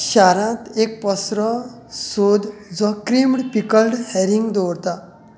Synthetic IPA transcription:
ɕaɾãt̪ek̚pɔsɾɔ | sod̪d͡zɔkɾimɽpikəlɖhɛɾiŋɡd̪oɽt̪a

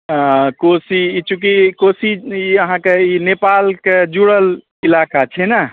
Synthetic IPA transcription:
kosiːt͡ʃʰukikosiiəɦãkeinepalked͡ʒuɽəl | ilakat͡ʃʰɛna

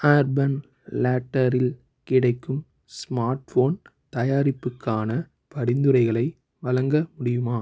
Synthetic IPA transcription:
aːɾbɐn | laːʈːɐɾɪl | kɪɽɐɪkːɯm | smaːɾʈfoːn | t̪ɐjaːɾɪpːɯkːaːnɐ | pɐɽɪnd̪ɯɾɐɪɣɐɭɐɪ | ʋɐlɐŋɡɐmʊɽɪjɯmaː

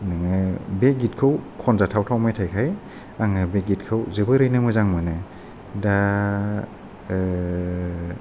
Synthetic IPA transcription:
nɯŋɯbeɡit̚kʰɯwkʰɔnzatʰawtʰawmajtʰajkʰaj | aŋɯbeɡit̚kʰɯwzɯbɯɾɯjnɯmɯjzaŋmɯnɯ | da

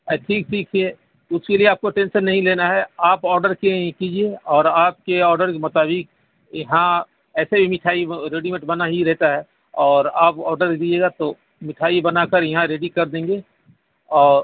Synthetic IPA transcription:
ɛʈʰiːk̚ʈʰiːkʰe | ʊskelieaːp̚koʈẽːnʃənːɐɦĩleːnaɦɛaːpɔːɾɖəɾkẽkiːd͡ʒieɔːɾaːp̚keɔːɾɖəɾkemʊt̪aːbɪk | jɐɦã | ɛːsebʱimɪʈʰaːiɾeːɖimẽʈbɐnaɦiɾɛɦt̪aɦɛ | ɔːɾaːpɔːɾɖəɾd̪id͡ʒeːɡat̪o | mɪʈʰaːibɐnakəɾjɐɦãɾeːɖikɐɾd̪ẽːŋɡeː | ɔːɾ

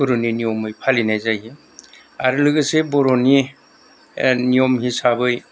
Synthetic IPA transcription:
ɔɾoninijɔmɯjpʰalinajzaji | aɾɯlɯɡɯsebɔɾoni | nijɔmɦisabɯj

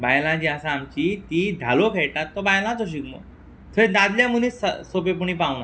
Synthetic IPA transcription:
bajlãd͡ʑiasaːmt͡ɕit̪id̪ʱalokʰeɭʈ̪at̪ːɔbajlãt͡sɔɕ̬ikmə̰ | t̪ʰəẽd̪ad̪ljamuniːssopep̬uɳipaʋna

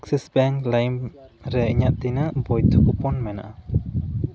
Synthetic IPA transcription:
ksisbɛŋlajmɾɛiɲaʔ̪̚t̪inəʔbɔjt̪ʰɔkupɔnmɛna̰ʔa

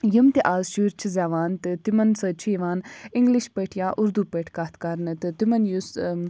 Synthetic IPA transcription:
jimt̪iʔaːzʃuːɾt͡ʃʰizɛːʋaːnt̪ɨt̪imɐnsət͡ʃʰiːʋaːniŋɡliʃpəʈʰjaːʔʊɾd̪upeʈʰkat̪ʰkɐɾnɨt̪ɨt̪imɐnjus

